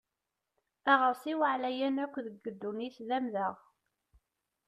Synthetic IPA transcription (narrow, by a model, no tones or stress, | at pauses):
æʁəsˤiwəʕlæjænækʷːðəɡːəd̪ːuniθðæmðəʁ